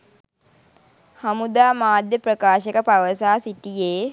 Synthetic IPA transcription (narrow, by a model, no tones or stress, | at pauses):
hɐmud̪aːmaːd̪ʱjəpɾəkaːʃekəpaʋəsaːsiʈijeː